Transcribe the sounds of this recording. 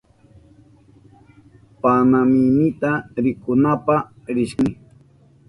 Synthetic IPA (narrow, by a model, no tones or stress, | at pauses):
panamɪnɪt̪aɾɪkʊnapa | ɾɪʃkɪ